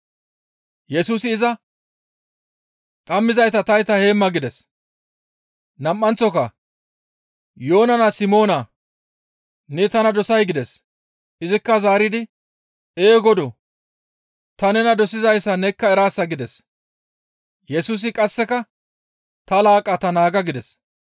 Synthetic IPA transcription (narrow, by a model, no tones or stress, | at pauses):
jɛsuːsɪːzɐ | ᶑɐmːɪzɐjt̪ɐt̪ɐjt̪ɐhe̞ːmːɐɡɪd̪ɛs | nɐmːɐnt͡sɔkɐ | jo̞ːnɐnasɪmo̞ːna | nɛt̪ɐnɐd̪ɔsɐjɡɪd̪ɛs | ɪzɪkːɐzaːɾɪd̪ɪ | eːɡɔd̪ɔ | t̪ɐnɛnɐd̪ɔsɪzɐjsːɐnɛkːɐɛɾaːsːɐɡɪd̪ɛs | jɛsuːs̬ɪkʼɐsːɛkɐ | t̪ɐlaːkʼɐt̪ɐnaːɡɐɡɪd̪ɛs